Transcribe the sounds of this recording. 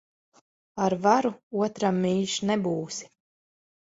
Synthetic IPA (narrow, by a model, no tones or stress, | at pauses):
aɾvaɾuuɔt̪ɾamːiːʃnɛbuːsi̥